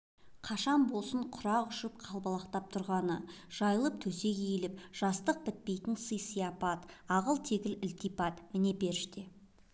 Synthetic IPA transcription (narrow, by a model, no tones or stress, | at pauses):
qʰɑʃɑnbo̞lˠsəɴqʰʊɾɑʁʏʃɪp̚qʰɑlˠbɑlˠɑqt̪ɑp̚t̪ʰʊɾʁɑnə̰ʒ̥ɑjəlˠəp̚t̪ʰɵse̞ɡʲeilɪp̚ʒ̥ɑst̪əq̚bɪt̪̚pe̞jt̪ɪnsəjsijɑpɑt̪ɑʁəlˠt̪ʰe̞ɡʲɪlɪlt̪ipɑt̪mɪne̞pe̞ɾɪʃt̪e̞